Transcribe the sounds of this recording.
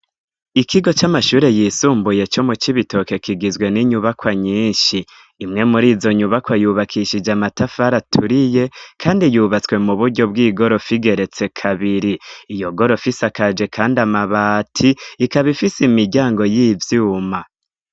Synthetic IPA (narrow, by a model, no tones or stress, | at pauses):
ikʰiɡo̞t͡ʃamaʃuːɾe̞jiːsuːmbuje̞t͡ʃo̞mut͡ʃiβito̞ke̞kiɡizwe̞niɲuβakwaɲiːnʃiː | mŋe̞muɾiːzo̞ɲuβakwajuːβakʰiʃid͡ʒamatafaɾatʰuɾije̞kʰaːndijuːβat͡swe̞muβuɾɟo̞bɡiːɡo̞ɾo̞fiɡe̞ɾe̞t͡se̞kʰaβiɾiːjo̞ɡo̞ɾo̞fisakad͡ʒe̞kʰaːndamaβaːtʰiːkaβifisimiɾɟaːŋɡo̞jiːvjuːma